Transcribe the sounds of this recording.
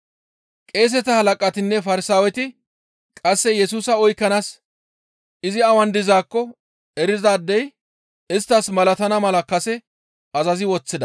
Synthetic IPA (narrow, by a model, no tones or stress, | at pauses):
kʼe̞ːs̬ɛt̪ɐhɐlɐkʼɐt̪ɪnːɛfɐɾɪsaːwɛt̪ɪ | kʼɐsːɛjɛsuːsɐɔjkːɐnaːs | ʔɪzɪɐwɐnd̪ɪzaːkːɔ | ɛɾɪzaːd̪ːɛj | ɪst̪ːɐsmɐlɐt̪ɐnɐmɐlɐkɐsɛ | ɐzɐzɪwɔt͡sːɪd̪ɐ